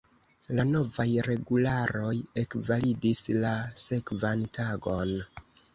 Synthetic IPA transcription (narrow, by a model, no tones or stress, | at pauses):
lano̞vajɾe̞ɡulaɾo̞je̞kvalidislase̞kvantaɡo̞n